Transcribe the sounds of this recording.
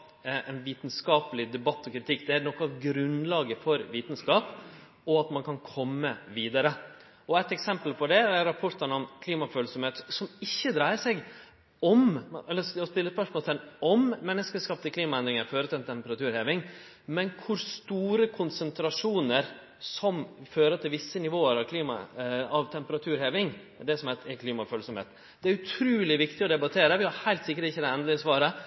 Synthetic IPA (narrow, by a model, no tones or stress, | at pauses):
ɛnʋiːt̪n̩skɑːpəlɪd̪ɛbɑt̪ːɔkʰɾɪt̪ʰɪkːd̪ɛæɾnɔkːɔɑʋɡɾʉnlɑːɡəfɔɾʋiːt̪n̩skɑːp | ɔɑt̪mɑnkʰɑnkʰɔmːəʋiːd̪ɑɾə | ɔɛt̪ɛksɛmpəlpʰɔd̪ɛæɾɑpʰɔʈ̪ənɔmkʰliːmɑføːlsɔmheːt̪sɔmɪçːəd̪ɾæɪəʂɛɡ | ɔmɛlːəɔspɪlːəspœʂmɔːlt̪ʰɛnɔmːɛnːəskəskɑːp̚t̪ɪkliːmɑɛnd̪ɾɪŋəɾføːɾət̪ʰɪlɛnt̪ʰɛmpəɾɑt̪ʉːɾheːʋɪŋ | mɛnkʰʊɾst̪uːɾəkʰʊnsənt̪ɾɑʂuːnəɾ | sɔmføːɾət̪ʰɪlʋɪsːənɪʋoːəɾɑʋkʰliːmɑ̰ɑʋt̪ʰɛmpəɾɑt̪ʰʉːɾheːʋɪŋ | d̪ɛsɔmhæt̪ɛkʰliːmɑføːlsɔmhḛːt̪ | d̪̥ɛæɾʉt̪ʰɾʉːlɪʋɪkt̪ɪɔd̪ɛbɑt̪ʰeːɾəʋɪhɑɾhæɪlt̪sɪkːəʈɪçːəd̪ɛɛnd̪lɪəsʋɑːɾə